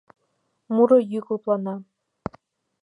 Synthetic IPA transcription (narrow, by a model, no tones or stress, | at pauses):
muɾɤ̆jykuplˠɑnɑ